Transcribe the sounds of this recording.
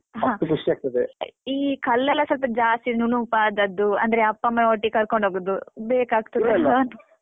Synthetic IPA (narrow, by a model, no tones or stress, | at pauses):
ɦɐãːt̪ːukuʂiaːɡ̚t̪ɐd̪eiːkʰɐlːɛlːɐsɐlp̬ɐd͡ʒaːst̪inulupaːd̪ɐd̪uɐ̰nd̪ɐɾeɐpːɐmɐoːʈikɐɾkoɳɖoːɡod̪ubeːkaːɡ̚t̪ɐd̪eln